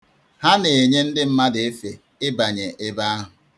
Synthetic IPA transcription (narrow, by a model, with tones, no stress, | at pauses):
ha˦ne˨e˨ɲe˦n̩˦dɪ˦m̩˦ma˦de˨e˦fe˨ | ɪ˦ba˨ɲe˨ʔɪ˦ba˦a˦ɦʊ˨